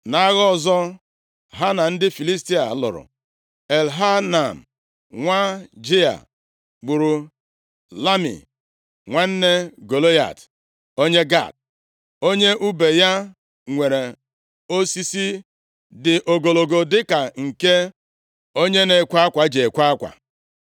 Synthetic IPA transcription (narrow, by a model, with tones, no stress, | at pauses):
na˨˦ɣɔ˦˨zɔ˦ | ɦa˦na˨n̩˦dɪ˦fi˨li˦sti˦a˨˦lʊ̰˨ɾʊ̰˨ | e˨lɦa˦na˨m̩˨ | ŋʷa˦d͡ʒi˦a̰˨ | ɡ͡bʊ˨ɾu˨ | la˦mḭ˨ | ŋʷa˦n̩˦ne˦ɡo˨lo˦ja̰˨t | o˦ɲe˦ɡa̰˦˨t̚ | o˦ɲe˦ʔu˦be˨ja˦ | ŋʷe˨ɾe˨ | o˦si˦si˦ | dɪ˨ʔo˨ɡo˨lo˨ɡo˨dɪ˦ka˨ŋ̩˨ke˦ | o˦ɲe˦ne˨kʷa˦a˦kʷa˨d͡ʒe˨kʷa˦a˦kʷa̰˨